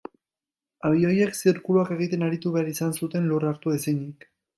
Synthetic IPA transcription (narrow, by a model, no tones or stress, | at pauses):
aβio̞je̞ksiɾkuluake̞ɣ̞it̪e̞naɾit̪uβe̞aɾisansut̪e̞nluraɾt̪uesiɲik